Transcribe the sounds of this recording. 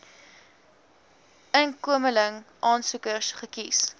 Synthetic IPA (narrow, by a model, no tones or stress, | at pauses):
ənkuəmələŋʔɑːnsukərsχəkis